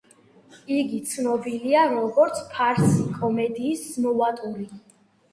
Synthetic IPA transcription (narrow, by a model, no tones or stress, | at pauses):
iɡit̪sʰnɔbiliaɾɔɡɔɾt̪sʰpʰaɾsikʼɔmɛd̪iːsːmɔvat̪ʼuli